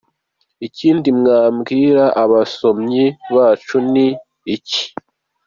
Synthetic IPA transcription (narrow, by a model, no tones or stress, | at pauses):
iciːndimŋaːmɡiːɾaʔaβaso̞mɲiβaːt͡ʃuniː | ci̥